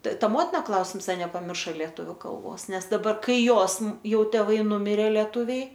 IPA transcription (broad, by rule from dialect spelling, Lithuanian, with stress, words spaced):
t ˈtɐ ˈmoːtʲɪnɐ ˈklˠɐʊsʲɪms ˈɐ nʲɛpɐˈmʲɪrʃɐ lʲiɛˈtʊʋʲʊ ˈkɐlˠboːs ˈnʲɛs dɐˈbɐr ˈkɐɪ ˈjoːs ˈjɛʊ tʲɛˈʋɐɪ ˈnʊmʲɪrʲeː lʲeːˈtʊʋʲɛɪ